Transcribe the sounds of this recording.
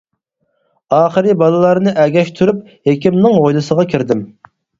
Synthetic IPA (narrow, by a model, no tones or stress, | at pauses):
ɑːχəɾɪbɑlˠɨlˠɑɾnɨʔɛɡʲɛʃt̪ʰuɾup̚ | hekʲimnɪŋojlˠɨsəʁɑkʲʰiɾd̪ɪm